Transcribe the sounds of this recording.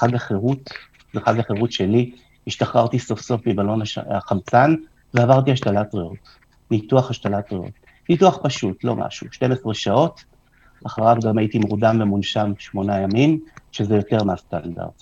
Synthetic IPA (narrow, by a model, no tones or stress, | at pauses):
χaɡaχeʁut | zeχaɡaχeʁutʃeli | hiʃtaχʁaʁtiso̞fso̞fmibalo̞naaχamt͡san | veavaʁt̬ihaʃtalatʁeot | nituaχhaʃtalatʁeo̰t | nituaχpaʃutlo̞̰mʔa̰ʃuʃte̞mesʁeʃao̞t | aχaʁavɡamajitimʁudamvemunʃamʃmo̞najamimʃezejo̞te̞ʁmeast̪anda̰ʁd